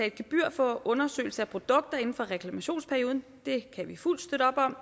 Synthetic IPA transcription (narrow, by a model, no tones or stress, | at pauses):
æe̝d̥̚ɡ̥e̝b̥yɐ̰fɒɔ̽nɐsø̰ːɪl̩səæpʰʁo̝d̥ɔ̽ɡ̥̚d̥ɐe̝n̩fɒ̽ʁɛkʰlæmæɕo̝̰ːnspʰæɐjoð̞ˠn̩ | d̥e̝kʰæʋiful̰d̥sd̥øɾɒ̽b̥ɒ̽m̰